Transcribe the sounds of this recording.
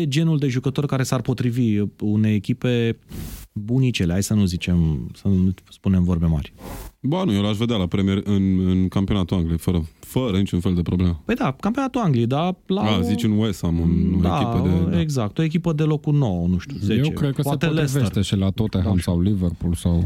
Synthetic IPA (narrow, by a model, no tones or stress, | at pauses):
jed͡ʒe̞nuld̪e̞ʒukət̪o̞rkaɾe̞sarpo̞t̪ɾiviune̞jekʲipe̞ | bunit͡ʃeleajsənuzit͡ʃe̞msəuspune̞mvo̞rbe̞ma̰rʲbanujelaʃve̞d̪alapɾemijeɾʲɨnɨnkampio̞nat̪uaŋɡliefəɾəfəɾənit͡ʃunfe̞ld̪e̞pɾoblemepəjd̪akampionat̪uaŋɡlied̪alaazit͡ʃɨnwest̪amɨnod̪eakipəd̪edeɡzak̚t̪o̞ek̬ʲipəd̪e̞lo̞kuno̞wənuʃt̪ʲuzeet͡ʃekɾed̪kəpwaet̪elesveʃrt̪eʃilat̪ot̪eɦamsawliverpulsaw